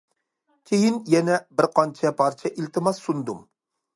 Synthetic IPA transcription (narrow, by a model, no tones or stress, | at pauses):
kʲʰejinjɛnɛbɪɾqʰɑnt͡ʃʰɛpʰɑɾt͡ʃʰɛʔilt̪ʰɨmɑsːund̪um